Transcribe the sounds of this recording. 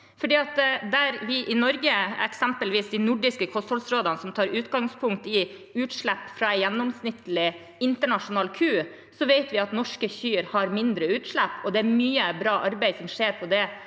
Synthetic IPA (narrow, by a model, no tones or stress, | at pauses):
fɔɖiːɑt̪d̪æɾʋɪʔɪnɔɾɡəɛ̰ksɛmpəlʋiːsd̪ɪnʊɖɪskəkʰɔst̪ʰɔlsɾoːd̪ɑnəsɔmt̪ʰɑːɾʉːt̪ɡɑŋspʰʊŋkt̪ɪ | ʉːt̪ʂɭæpːfɾɑɛjɛnːɔmsnɪt̪ːəlɪ | ɪnt̪əɳɑʂʊnɑːlkʰʉː | sɔʋeɪt̪ʋɪɑt̪nɔʂkəçyːɾhɑɾmɪnd̪ɾəʉːt̪ʂɭæpːɔd̪ɛæɾmyːəbɾɑːʔɑɾbæɪsɔmʂeːɾpʰɔd̪ɛ